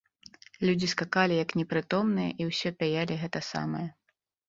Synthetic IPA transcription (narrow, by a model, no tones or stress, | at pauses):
lʲud͡zʲiskakalʲijɐknʲɛpɾɨt̪ɔmnɨjɛ̰ʔiwsʲɔpʲajalʲiɣɛt̪ɐsa̰mɐjɐ